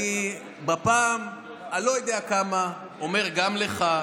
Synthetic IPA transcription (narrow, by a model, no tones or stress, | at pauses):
i | bapaːm | alo̞jod̪eakama | ome̞ʁɡamleχa